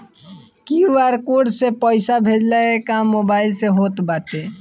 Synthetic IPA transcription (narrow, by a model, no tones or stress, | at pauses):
kijuaɾkoɖsepəɪsabʱed͡ʒlaekamːobailseɦot̪baʈe